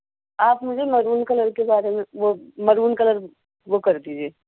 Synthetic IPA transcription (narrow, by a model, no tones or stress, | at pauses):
aːpmʊd͡ʒʱemɐɾuːnkɐləɾkebaːɾemẽʋomɐɾuːnkɐləɾ | ʋokɐɾd̪iːd͡ʒʱieː